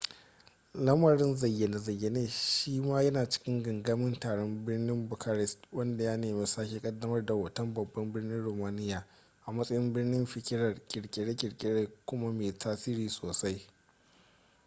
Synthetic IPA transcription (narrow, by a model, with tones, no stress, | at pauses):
lɐ˦mɐ˨ɾɪ˦nzɐ˨jːe˨ne˨zɐ˨jːe˨neː˦˨ʃiː˦maː˦jɐ˦naː˨t͡ʃɪ̥˦kʲɪ˦ŋɡɐ˨ŋɡa˦mɪ˦ntaː˨ɽɔ˦mbɪ˦rnɪ˦mbʊ˨kʰa˦ɾɛ˨swɐ˦nda˨jaː˦neː˨meː˨saː˦kʲe˨kʼɐ˦dːɐ˦mɐ˦rda˨wɐ˨tɐ˦mbɐ˨bːɐ˦mbɪ˦rnɪ˦nɽoː˨maː˦nɪ˦jaː˨ | ʔa˨mɐ˦sʼɐ˦jɪ˦mbɪ˦rnɪ˦mɸɪ˨kʲɪ˦ɾɐ˦˨rkʲʼɪ˨ɽkʲʼɪ˨ɽe˦kʲʼɪ˨ɽkʲʼɪ˨ɽeː˦kʷʊ˦ma˦meː˨tʰaː˦siː˦ɾiː˨soː˨sa˦j